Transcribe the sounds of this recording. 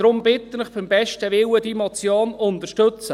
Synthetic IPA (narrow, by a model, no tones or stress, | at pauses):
ɾʊmb̥ɪt̪ːənɪχb̥ɪmbɛʃtəʋɪwəd̥imɔt͡sjoːnʊnt̪əʃtɵt͡sə